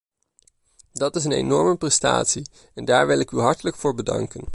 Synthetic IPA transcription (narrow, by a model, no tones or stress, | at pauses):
dɑtɪsənḛjnɔɹməprɛsta̰ːtsi | ɛndaːɹʋɪlɪkyɦɑɹtələkfʊːɹbədɑ̰ŋkən